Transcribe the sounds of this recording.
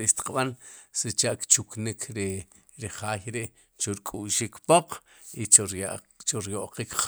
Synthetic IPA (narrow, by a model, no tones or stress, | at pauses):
iʃt̪i̥qɓansit͡ʃaʔkt͡ʃuknikʰɾi | ɾiχaːjɾeʔ | t͡ʃuɾkʼuʃikpoq͡χi | t͡ʃuɾjoʔqik